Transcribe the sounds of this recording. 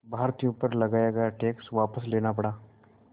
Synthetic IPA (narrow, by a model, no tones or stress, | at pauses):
bʱaːɾt̪ijʊpəɾlɐɡaːjaɡjaʈeːksʋaːpəsleːnapɐɽaː